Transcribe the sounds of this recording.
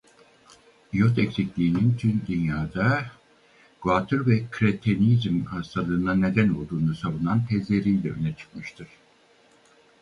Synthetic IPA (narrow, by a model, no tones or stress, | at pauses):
ijot̪ʰɛcsiclʲiːnint̪ʰynd̪ynjaːd̪a | ɡ̥vat̪ʰɯɾvɛkʰɾet̪ʰenizmhast̪ʰalˠɯːnane̞d̪æno̞lˠd̪uːnusavunant̪ʰɛzlʲe̞ɾijlʲɛø̰nɛt͡ʃʰɯ̥kmɯʃt̪ʰɯɾ̥